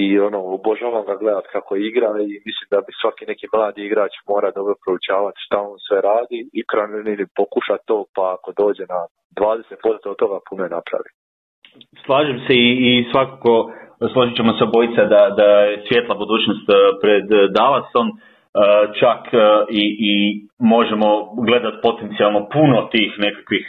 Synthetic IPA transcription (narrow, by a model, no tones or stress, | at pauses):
ionooboʒaːʋamɡaɡle̞d̪at̪kakoiɡɾaimislimd̪abisʋakine̞kimlˠaːd̪iiɡɾaːt͡ʃmo̞ːɾad̪o̞bɾo̞pɾout͡ɕaːʋat̪ʃt̪aonsʋe̞ɾaːd̪iikɾaneninipo̞kuʃat̪o̞ːpaːko̞d̪o̞ːd͡ʑe̞na | d̪ʋaːd̪eset̪post̪ot̪ːo̞ɡapunoenapɾa̰ʋi | slˠaːʒemse̞iːsʋakako̞slˠo̞ʒit͡ɕe̞mo̞seobo̞jit̪sad̪ad̪ajesʋje̞t̪lˠabud̪uːt͡ʃnost̪pɾe̞d̪ːalaso̞m | ət͡ʃakʰiʔːmo̞ʒe̞mo̞ɡle̞d̪at̪̚po̞t̪e̞nt̪sijalˠno̞puno̞t̪iːxne̞kakʋix